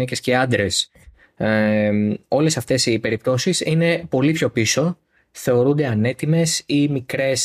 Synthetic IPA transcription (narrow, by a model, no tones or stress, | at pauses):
ece̞sce̞ɐnd̪ɾe̞s | o̞le̞sɐft̪e̞sipe̞ɾip̚t̪o̞sisine̞po̞lipço̞piso̞ | θe̞o̞ɾund̪e̞ɐne̞t̪ime̞simikɾe̞s